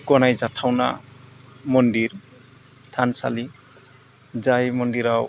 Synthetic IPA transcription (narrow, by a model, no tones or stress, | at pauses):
kɔnajzatʰawna̰ | mɔndiɾ | tʰansa̰li | zajmɔndiɾaw